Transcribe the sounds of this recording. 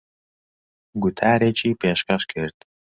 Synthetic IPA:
ɡʷʊtʰaːɾet͡ʃʰʼiːpʰeːʃkɐʃkʰɨrt̪ʰʼ

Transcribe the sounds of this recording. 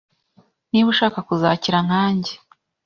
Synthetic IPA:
niβuʃaːkakuzaːciɾaŋ̥haːɲɟe

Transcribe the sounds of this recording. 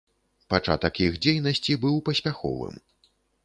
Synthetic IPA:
pat͡ʂa̰t̪ɐkixd͡zʲejnɐsʲt͡sʲibɨwpɐsʲpʲaxɔ̰vɨ̰m

